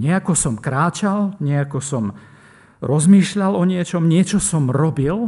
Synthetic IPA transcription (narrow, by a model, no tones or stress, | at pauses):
ɲɛakɔsɔmkɾaːt͡ʃalɲɛakɔsɔm | ɾɔzmiːʃʎalɔɲɪɛt͡ʃɔmɲɪɛt͡ʃɔsɔmɾɔbil